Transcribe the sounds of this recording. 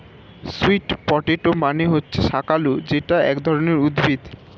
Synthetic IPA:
suiʈpɔʈeʈomaneɦotːɕʰeʃakalod͡ʑeʈaɛ̰kd̪ʱɔɾoneɾud̪bʱid̪

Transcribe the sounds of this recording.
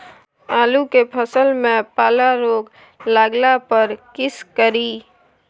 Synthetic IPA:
aːlukepʰəsəlmẽpaːlaɾoːɡ | laːɡlapəɾkɪskəɾiː

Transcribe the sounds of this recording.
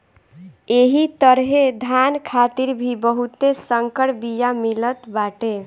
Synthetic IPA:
eɦit̪əɾɦed̪ʱankʰat̪iɾbʱibəɦut̪esəŋkəɽbijamilət̪baʈe

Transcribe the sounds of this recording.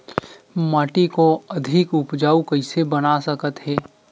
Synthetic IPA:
maːʈikoɐd̪ʱɪkʊpd͡ʒaːukəɪsebənasəkət̪ɦɛː

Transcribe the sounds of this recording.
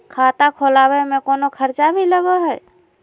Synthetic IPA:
kʰaːt̪akʰolaːwemẽkoːnokʰəɾt͡ʃabʱiləɡoɦɛː

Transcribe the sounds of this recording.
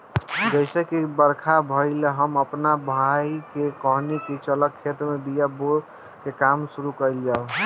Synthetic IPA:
d͡ʒəɪsekibəɾkʰabʱəɪleɦəməpnabʱaikekɔɦnikit͡ʃələkʰːet̪ɾmebijabo | kekamsuɾukəjljao

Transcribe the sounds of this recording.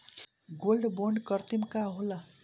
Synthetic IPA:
ɡolɖboɳɖkʌrt̪imkaɦola

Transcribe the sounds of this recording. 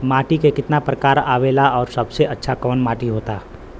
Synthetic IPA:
maːʈikekɪt̪napɾəkaːɾaːʋeːlaɔːɾsɐbseɐtːʃʰakɔːnmaːʈiɦoːt̪aː

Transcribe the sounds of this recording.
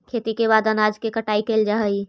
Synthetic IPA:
kʰeːt̪ikeβaːd̪ənaːd͡ʒkekəʈaːikeːld͡ʒaɦəi

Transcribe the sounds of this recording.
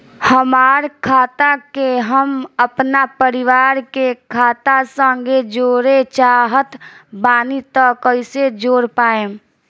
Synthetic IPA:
həmaːɾkʰaːt̪akeɦəməpnapəɾɪʋaːɾkekʰaːt̪asə̃ŋɡed͡ʒoːɾet͡ʃaːɦət̪baːnit̪əkəɪsed͡ʒoːɾpaːẽː

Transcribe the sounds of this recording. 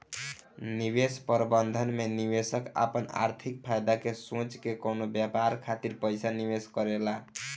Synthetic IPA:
niβespəɾbənd̪ʱənmeniβesəka̰pəna̰ɾt̪ʰik̚pʰajd̪akesõt͡ʃkekonobjapaɾkʰat̪iɾpəjsaniβeskʌɾela

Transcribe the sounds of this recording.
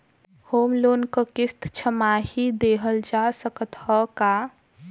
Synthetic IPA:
hoːmloːnkəkɪst̪ʰt͡ʃʰəmaɦid̪eːɦəld͡ʒasəkət̪həka

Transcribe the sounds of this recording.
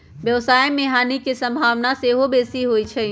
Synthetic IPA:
bjɐʋsaːemeɦaːnikisɐ̃mbʱaːʋnaseɦobeːsiɦoit͡ʃʰe

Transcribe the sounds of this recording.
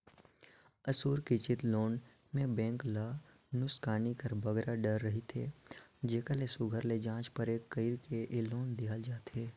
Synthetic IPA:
əsuːɾkit͡ʃɪt̪loːn | mẽbɛ̃ːŋklaː | nʊskaːnikəɾbɐɡɾaɖəɾːɐɦit̪ʰḛːd͡ʒeːkəlesʊɡʱəɾled͡ʒãːt͡ʃpəɾeːkːəiɾkeʔɪloːnd̪iald͡ʒaːt̪eː

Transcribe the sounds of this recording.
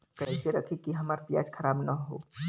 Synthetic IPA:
kɛːseɾɐkʰekiɦɐmaːɾpja̰ːd͡ʒkʰɐɾaːbnɐɦo̰ː

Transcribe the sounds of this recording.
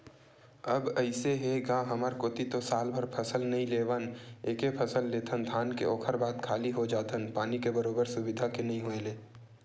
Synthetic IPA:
əbəɪseɦeɡãːɦəməɾkoːt̪it̪osaːlbʱəɾpʰəsəlnɐɦĩleːʋəneːkepʰəsəlːeːt̪ʰənd̪ʱaːnkḛoːkʰəɾbaːd̪kʰaːliɦod͡ʒaːt̪ʰənpaːnikebəɾoːbəɾsʊbɪd̪ʱakenɐɦĩɦoeleː

